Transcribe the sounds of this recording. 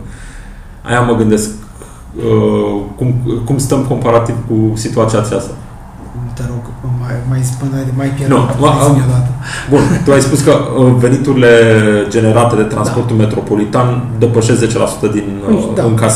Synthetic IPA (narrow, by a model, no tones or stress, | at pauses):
a̰jaməɡɨnd̪e̞sk | əkumkumst̪əmko̞mpaɾat̪ivkusit̪uat̪siatsiast̪a | t̪eɾoɡmamajpənamajpjenuməod̪at̪əbunt̪uajspuskəəve̞nit̪uɾile̞d͡ʒe̞ne̞ɾat̪e̞d̪e̞t̪ɾa̰nspo̞rt̪ulme̞t̪ɾo̞po̞lit̪and̪e̞pəʃe̞sze̞t͡ʃe̞la̰su̥t̪əd̪inɨŋkas